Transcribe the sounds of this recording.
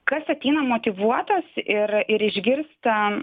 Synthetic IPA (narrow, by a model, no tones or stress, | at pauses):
kɐsɐt̪ʲɛɪnɐmoːt̪ʲɪʋuɔt̪ɐsɪrɪɾɪʒʲɡʲɪrst̪ɐ